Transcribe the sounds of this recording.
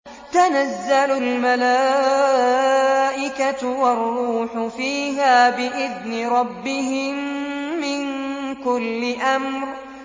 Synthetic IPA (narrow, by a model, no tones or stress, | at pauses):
t̪anazːalʊlmalaː | ʔɪkat̪wɑrˤːuːħʊfiːɦaːbɪʔɪðnɪɾˤɑbːɪɦɪmːɪnkʊlːɪʔamɾ